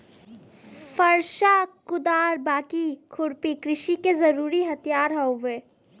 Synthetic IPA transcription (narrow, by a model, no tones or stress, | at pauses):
fɐɾʃakʊd̪aːɾbaːkikʰʊɽpikɾɪʃikezɐɾuːɾiɦɐt̪ijaːɾɦɐoʋeː